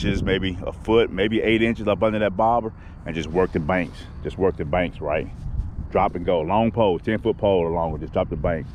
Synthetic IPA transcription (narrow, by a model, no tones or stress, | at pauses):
t͡ʃɪzmeɪbiə̰fʊt̚meɪbiʔeɪɾɪ̃nt͡ʃɨzʌpʌ̃ndə˞ðɨt̚b̥ɑɹbə˞ | ɨ̃nd͡ʒʌst̚wɜ˞k̚tɨ̃bæ̃ŋks | d̥ʒ̥ʌst̚wɜ˞k̚tɨbæ̃ŋksɹa̰ɪt̚dɹɑpɨ̃nɡoʊlɔ̃ŋpʰoʊlˠtʰɛ̃nfʊt̚pʰoʊlˠəlɔ̃ŋd͡ʒʌsdɹ̥ɑp̚tɨbæ̃ŋks